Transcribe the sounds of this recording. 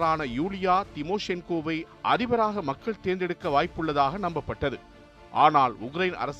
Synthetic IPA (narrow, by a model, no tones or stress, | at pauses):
ɾaːnɐjuːlɪjaːt̪ɪmoːʂɪɐnkoːʋɐɪ | ʔɐɾɪʋɐɾaːɣɐmɐkːɐɭt̪eːnd̪ɛɽɯkːɐʋaːjpːɯɭːɐðaːɣɐnɐmbɐpːɐʈːɐðɯ | ʔaːnaːlʊkɾɐjɪnɐ̰ɾɐs